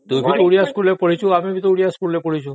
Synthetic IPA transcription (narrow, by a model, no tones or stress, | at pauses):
t̪ũbʱit̪ouɽijaskulepəɽit͡ʃʰuamebʱit̪ouɽijaskulːepəɽit͡ʃʰũ